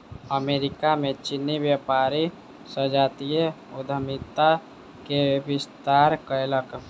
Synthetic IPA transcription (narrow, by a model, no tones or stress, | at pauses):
əmeːɾɪkamẽt͡ʃinːibjəpaːɾi | səd͡ʒaːt̪ijə | ʊd̪ʱəmɪt̪a | keəbɪst̪aːɾkəjlək